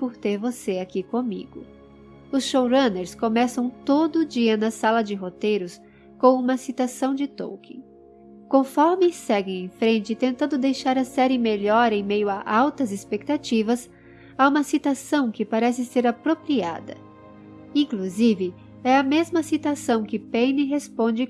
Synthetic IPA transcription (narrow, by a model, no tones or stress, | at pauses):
pʊɾt̪eɾvoseakikõmḭɡʊ | ʊsʃowɾɐ̃neɾskõmɛsɐ̃w̃t̪od̪ʊʊd͡ʒiɐnɐsalɐd͡ʒɪɦot̪ejɾʊs | kõũmɐsit̪asɐ̃w̃d͡ʒɪt̪o̰wkẽ | kõfɔɾmɪsɛɡẽj̃ẽj̃fɾẽnt͡ʃɪt̪ẽnt̪ɐ̃nd̪ʊd̪ejʃaɾɐsɛɾɪmeʎɔɾẽj̃mejʊaʔawt̪ɐzɪspek̚t̪at͡ʃivɐs | aũmɐsit̪asɐ̃w̃kɪpaɾɛsɪseɾapɾopɾia̰d̪ɐ̰ | ĩkluzivɪ | ɛɐmezmɐsit̪asɐ̃w̃kɪpenɪɦespõd͡ʒɪ